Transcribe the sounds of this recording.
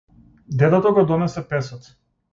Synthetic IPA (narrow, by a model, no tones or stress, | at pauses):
d̪ɛt̪ɛt̪ɔɡɔd̪ɔnɛsɛpɛsɔt̪